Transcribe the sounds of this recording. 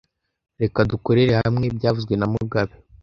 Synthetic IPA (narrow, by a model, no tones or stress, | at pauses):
ɾe̞kaduko̞ɾe̞ɾe̞hamŋe̞bɟaːvuzɡwe̞namuɡaβe